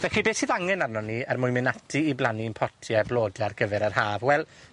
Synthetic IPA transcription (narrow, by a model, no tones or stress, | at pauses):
vɛxibeːθiðaŋɛnarnɔniərmʊjmɪnatʰiːblˠaninpʰɔtʰjablˠoːdjarɡəvɛɾarhaːvwɛlˠ